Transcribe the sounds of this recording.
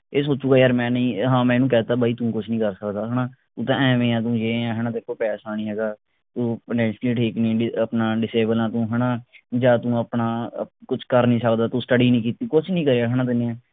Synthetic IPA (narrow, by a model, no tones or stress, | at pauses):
eːsoːt͡ʃuːɡaːjəɾmɛ̃ːnĩːɦãːmɛ̃ːnũːkɛːt̪aːbaːiːt̪ũːkʊt͡ʃʰnĩːkəɾsəkd̪aːɦənãːt̪ũːt̪ãːɛ̃ːʋẽːãːt̪ũːjeːãːɦɛːñãːt̪eɪkːoːpɛːsaːɽ̃iːɦɛːɡaː | t̪ũːpɪnɛ̃ːnʃliːʈʰiːknĩːəpnaːɖɪseːbəlãːt̪ũːɦɛːɽãːd͡ʒaːt̪ũːəpnaːkʊt͡ʃʰkəɾnĩːsəkd̪aːt̪ũːsʈəɖiːnĩːkiːt̪iːkʊt͡ʃʰnĩːkəɾeːaːɦɛːñãːt̪ɪneːɛ̃ː